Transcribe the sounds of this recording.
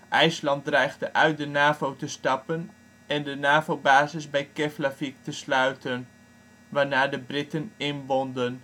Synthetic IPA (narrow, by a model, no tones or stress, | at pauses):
ʔɛjslɑnt̚drɛjχdəʔœɥt̚dənaːvowtəstɑpən | ɛndənaːvobaːzɪsbɛjkɛflafik̚təslœɥtən | ʋaːɹnaːɹdəbrɪtənɪnʋɔndən